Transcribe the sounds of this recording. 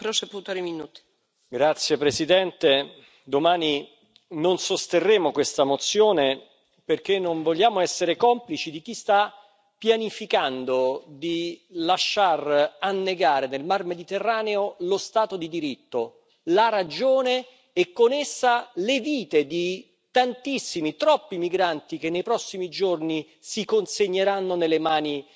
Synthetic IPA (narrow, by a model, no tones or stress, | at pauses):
pɾoseput̪aɾiminuːt̪i̥ | ɡɾat̪sːjepɾesid̪ɛnt̪e | d̪omaːni | nonsost̪erːeːmokwest̪amot̪sːjoːne | perk̟enːoɱvoʎːjaːmoɛsːeɾekɔmplit͡ʃid̪ik̟ist̪a | pːjanifikand̪od̪ilaʃːaranːeɡaːɾenelmarmed̪it̪erːaːneolost̪aːt̪od̪id̪iɾit̪ːo | laɾad͡ʒoːneː | kːonesːaleviːt̪ed̪i | t̪ant̪isːimit̪ɾɔpːimiɡɾant̪ik̟enːejpɾɔsːimid͡ʒorni | sikonseɲːeɾanːonelːemaːni